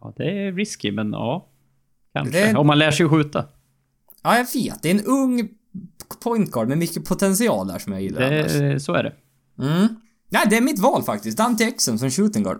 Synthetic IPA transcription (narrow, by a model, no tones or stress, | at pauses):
ɑ̰ːd̪ɛɾɪskɪmɛnɑ̰ː | kʰa̰nʂəɔmːanlæːʂɛjɧʉ̟ːt̪a | ɑːjɑveːt̪̚d̪ɛɾɛnɵŋː | pʰɔjnt̪̚ɡɑːɖmɛmʏkːəpʰʊt̪ʰɛnsɪɑ̰ːld̪æ̰ʂɔmja̰jɪ̰lːɾɛsɔæ̰ɖɛ̰ | m̩ː | næɪd̪ɛæɾmɪt̪vɑːlfak̚t̪ɪst̪d̪ant̪ɪɛksɔnsɔmɕʉːt̪əŋɡɑ̰ːɖ